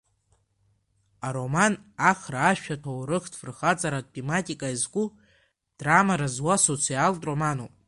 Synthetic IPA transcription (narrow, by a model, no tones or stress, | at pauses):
aɾo̞manaχraːʃᶣatʰawɾɨχdfrχat͡sʼaɾatʼematʼikʼaizɡʷʼu | d̥ramaɾazwasot͡sʰɨaltʼro̞manopʼ